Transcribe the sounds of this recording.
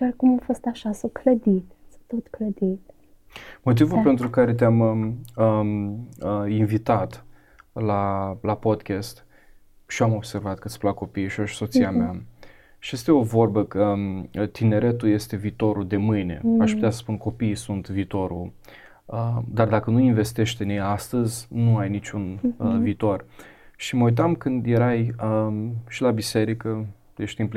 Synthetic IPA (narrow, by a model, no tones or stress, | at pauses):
ʃarkumafost̪aʃasəkləd̪it̪sət̪ot̪kləd̪it̪ | mo̞t̪̬ivulpe̞nt̪ɾukaɾe̞t̪̬eaməə | əinvit̪at̪ | lalapo̞d̪kʲest̪ | ʃiamo̞bse̞rvat̪kɨt̪sʲplako̞pijʃioʃso̞t̪siamea | ʃije̞st̪e̞o̞vo̞rbəkət̪ine̞ɾe̞t̪uje̞st̪e̞viːt̪o̞ɾud̪e̞mɨjne̞̰aʃpu̥t̪easə̥spunko̞piːsunt̪viːt̪o̞ɾṵ | əd̪ard̪akənuinve̞st̪e̞ʃt̪enjejast̪əzʲnuajnit͡ʃʲunəviːt̪o̞rʃiməujt̪̬amkɨnd̪je̞ɾajəʃilabise̞ɾikə | je̞ʃt̪imp